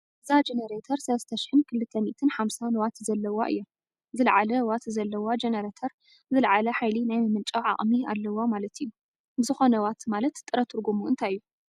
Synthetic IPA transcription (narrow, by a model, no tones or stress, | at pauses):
ʔɨzad͡ʒenɐɾet̪ʰɐɾsɐlɐst̪ʰɐʃɪ̥ħɨnkʰɨlːɨt̪ʰːɐmit̪ʰɨnħamsanwat̪zɐlːɐwaʔɨ̰jːu | zɨlʕalɐwat̪zɐlːɐwad͡ʒenɐɾet̪ʰɐɾ | zɨlʕalɐħajlinajmɨmɨlt͡ʃʼaʕa̰χʼmialːɐwamalɐt̪ʰijːu | zɨxo̞nɐwat̪malɐt̪t̪ʼːɨɾɐt̪ʰɨɾɡumuɨ̰nt̪ʰajjːu